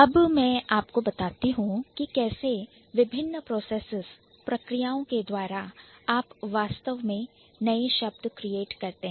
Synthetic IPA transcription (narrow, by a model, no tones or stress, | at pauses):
ɐbmɛ̃ːaːpkobɐt̪aːt̪iɦũkikɛːse | ʋɪbʱɪnːpɾoːseːsɪz | pɾɐkɾijaːõked̪waːɾaaːpʋaːst̪əʋmẽ | nɐeʃɐb̚d̪ʱəkɾijeːʈkɐɾt̪eɦɛ̃